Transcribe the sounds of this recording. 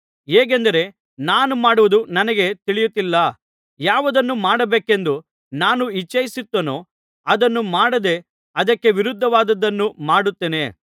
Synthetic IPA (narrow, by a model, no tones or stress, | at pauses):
ɦeːɡ̬end̪ɐɾe̞ | naːnumaːɽuʋud̪unɐnɐɡe̞t̪iɭijut̪ːilːɐ | jaːʋɐd̪ɐnːumaːɽɐbeːke̞nd̪u | naːnuit͡ʃːɐjisit̪ːonoː | ɐd̪ɐnːumaːɽɐd̪e̞ | ɐd̪ɐkːe̞ʋiɾud̪ʱːɐʋaːd̪ɐd̪ːɐnːumaːɽut̪ːeːne̞ː